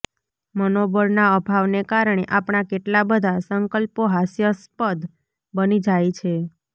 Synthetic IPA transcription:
mənobəɾnaəbʱaʋnekaɾɳ̃eʔapɳ̃akeʈlabəd̪ʱasəŋkəlpoɦasjəspəd̪ | bənid͡ʒajt͡ʃʰe

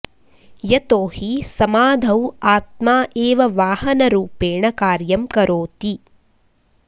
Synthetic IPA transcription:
jɐt̪oːhisɐmaːd̪ʱɐwaːt̪̚maːʔeːʋɐʋaːhɐnɐɾuːpeːɳɐkaːɾjɐmkɐɾʔoːt̪i

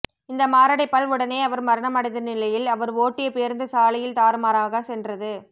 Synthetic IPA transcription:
ɪnd̪ɐmaːɾɐɽɐɪpːɐɭʋɯɽɐneːɐʋɐɾmɐɾɐɳɐmɐɽɐɪðɐnɪlɐjɪlɐʋɐɾoːʈːɪjɐpeːɾnd̪ɯsaːlɐjɪlt̪aːɾɯmaːɾaːɣɐsɛndrɐðɯ

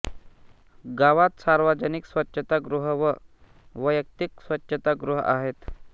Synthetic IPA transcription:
ɡaʋat̪saɾʋad͡ʑəniksʋətːɕʰət̪aɡɾuɦəʋə | ʋəjək̚t̪iksʋətːɕʰət̪aɡɾuɦə̰a̰ɦet̪

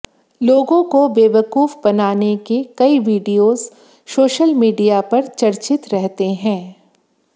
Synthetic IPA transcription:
loːɡõkobeːʋəkuːfbɐnaːnekekɐiʋiːɖijoːz̥ | soːʃəlmiːɖijapɐɾt͡ʃɐɾt͡ʃɪt̪ɾɛɦt̪eɦɛ̃ː

